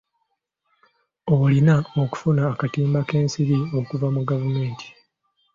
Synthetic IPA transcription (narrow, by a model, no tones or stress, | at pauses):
olinaoku̥funaːkatiːmbake̞ːnsiɾio̞kuvamuɡavume̞ːntʰi̥